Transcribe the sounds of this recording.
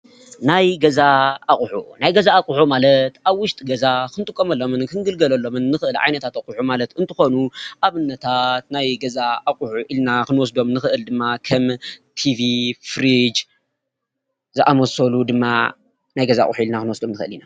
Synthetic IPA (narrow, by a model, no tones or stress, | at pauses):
najɡɐzaaχʼħṵnajɡɐzaːkʼʊħumalɐt̪aβwʊʃt̪ʼɡɐzakɨnt̪ʼɨkʼːomɐlːo̞mɨnkʰɨnɡɨlɡɐlɐlːo̞mɨnːɨxɨʔɨlʕa̰jnɐt̪ʰat̪akʼuħumalɐt̪ɨnt̪ʰɨxo̞nuʔaβɨnːɐt̪ʰat̪najɡɐzaːkʼħuʔilnakɨnwɔs̬d̪o̞mnɨxɨʔɨld̪ɨmːakʰɐmt̪ʰivifɾid͡ʒ | zɨʔamɐsɐlud̪ɨmːa̰ | najɡɐzaa̰χʼħuilnakɨnwɔsd̪o̞mnɨxɨɨlina